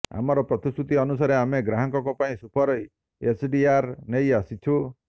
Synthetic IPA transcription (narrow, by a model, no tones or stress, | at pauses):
a̰mɔɾɔpɾɔt̪isɾut̪iɔnus̬aɾeameɡɾaɦɔŋkɔkɔpaĩsupʰɔɾɔj | esʰɖiaɾnejasit͡ʃʰu